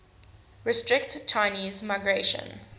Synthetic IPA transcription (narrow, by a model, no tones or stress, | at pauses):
ɹɪstɹɪktt͡ʃʰaɪniːzmaɪɡɹeʃə̰̃n